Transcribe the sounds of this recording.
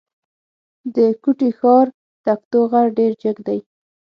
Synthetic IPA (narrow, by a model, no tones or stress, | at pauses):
d̪əkuʈixɑɾ | t̪akt̪oɣaɽɖeɾd͡ʒəɡd̪aj